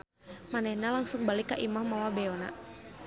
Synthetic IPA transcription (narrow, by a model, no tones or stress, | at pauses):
manɛhnalaŋsʊŋbalikːaʔimahmawabɛɔna̰